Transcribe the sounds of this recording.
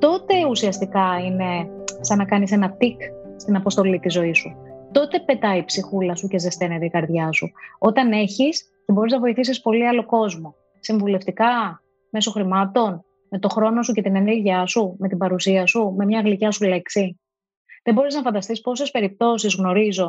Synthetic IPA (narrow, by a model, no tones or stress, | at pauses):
t̪o̞t̪e̞usiɐst̪ikɐine̞sɐnɐkɐnise̞nɐt̪ik | st̪inɐpo̞st̪o̞lit̪izo̞isu | t̪o̞t̪e̞pe̞t̪ɐipsixulɐsuce̞zest̪e̞net̪eikɐɾðʝɐsṵo̞t̪ɐne̞çis | cebo̞ɾiznɐvo̞iθisispo̞liɐlo̞ko̞zmo̞ | siɱvule̞ft̪ikɐ | me̞so̞xɾimɐt̪o̞n | me̞t̪o̞xɾo̞no̞suce̞t̪ine̞neɾʝiɐsume̞t̪ibɐɾusiɐsume̞mɲɐɣlicɐsule̞ksi | ðe̞bo̞ɾiznɐfɐnd̪ɐst̪ispo̞se̞spe̞ɾip̚t̪o̞sizɣno̞ɾizo̞